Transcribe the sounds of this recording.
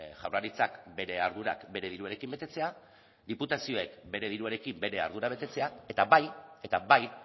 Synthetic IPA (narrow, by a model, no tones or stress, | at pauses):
ʝa̰wraɾit͡sakbe̞ɾe̞aɾðuɾa̰kbe̞ɾe̞ð̞iɾueɾe̞kimbe̞t̪e̞t͡se̞a | d̪iput̪asio̞e̞kbe̞ɾe̞ðiɾueɾe̞kimbe̞ɾe̞a̰ɾðuɾaβ̞e̞t̪e̞t͡se̞ae̞t̪aβaje̞t̪abaj